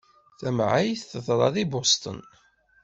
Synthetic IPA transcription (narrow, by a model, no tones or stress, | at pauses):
θæmʕajθθəðˤɾˤɑðibost̪ˤə̰n